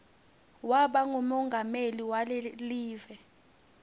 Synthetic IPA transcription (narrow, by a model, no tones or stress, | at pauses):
waɓaŋumɔŋɡʱameliwaleliːvɛ